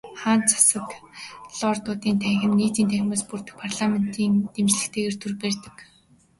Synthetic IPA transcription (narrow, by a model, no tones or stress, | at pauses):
χaːnt͡sʰḁsə̆k̪ɮɔːrt̪ʊːt̪iːnt̪ʰæŋxʲɪ̆mniːt̪iːnt̪ʰæxʲɪ̆maːspurt̪ɘ̆k̚pʰarɮamen̥t̪ʰiːnt̪emt͡ɕɮɘ̆kt̪ʰeːɣeːrt̪ʰurpert̪ɘ̆k